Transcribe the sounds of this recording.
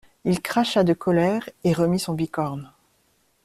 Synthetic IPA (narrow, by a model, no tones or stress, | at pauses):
ilkχaʃad̪əkʰɔlɛʁeʁəmisɔ̃bikɔʁn